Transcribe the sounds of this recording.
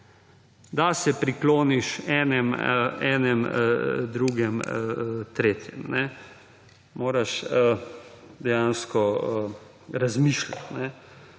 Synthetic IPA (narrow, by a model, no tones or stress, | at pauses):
d̪asɛpɾikloːniʃɛːnɛmɛːnɛmd̪ɾuɡɛm | t̪ɾeːt̪jɛ̰mnɛ | moːɾaʃə | d̪ɛjanskɔə | ɾazmiːʃla̰t̪nɛ